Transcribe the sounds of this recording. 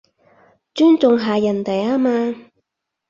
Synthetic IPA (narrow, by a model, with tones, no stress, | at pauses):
t͡ʃyː˥nt͡sʊ˨ŋɦaː˨˩jɐ˨˩nt̪ɐ˨jaː˥maː˧